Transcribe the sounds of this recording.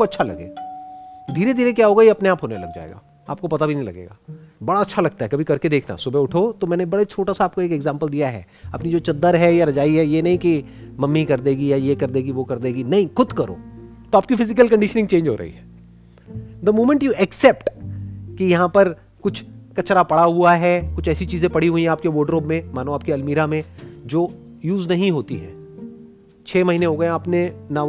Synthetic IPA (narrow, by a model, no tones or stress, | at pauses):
koɐtːʃʰalɐ̰ɡḛː | d̪ʱiːɾed̪ʱiːɾekjaːɦoːɡajeɐpneaːpɦoːnelɐ̰ɡ̚d͡ʒa̰ːḛːɡa̰ː | aːp̚kopɐt̪abʱinɐ̃ɦĩlɐ̰ɡḛːɡa̰ːbɐɽaɐtːʃʰalɐɡ̚t̪aɦɛkɐbʱikɐɾked̪eːkʰna̰sʊbeʊʈʰot̪omɛ̃ːnebɐɽet͡ʃʰoːʈasaaːp̚koeːkɛɡzãːmpəld̪ijaɦɛ̰ː | ɐpnid͡ʒoːt͡ʃɐd̪ːəɾɦɛjaɾɐd͡ʒaːiɦɛjenɐɦĩkimɐmːikɐɾd̪eːɡijajekɐɾd̪eːɡiʋokɐɾd̪eːɡinɐɦĩxʊd̪kɐɾo̰ːt̪oaːp̚kifɪzɪk̬əlkɐ̃ɳɖɪʃnɪ̃ŋɡt͡ʃẽːnd͡ʒʱɦo̰ːɾɐ̰ɦḭɦɛː | d̪əmoːmə̃ɳʈjuʔɛksɛːpʈkijɐɦãpɐɾ | kʊt͡ʃʰkɐt͡ʃɾapɐɽaɦuaɦɛkʊt͡ʃʰɛːsit͡ʃiːzẽpɐɽ̤iɦuĩɦɛ̃aːp̚keʋoːɖɾoːbmẽmaːnõaːp̚keɐlmiːɾamẽd͡ʒoː | juːznɐɦĩɦoːt̪iɦɛ̰̃ː | t͡ʃʰeːmɐɦiːnẽɦoːɡɐẽɐpnenaː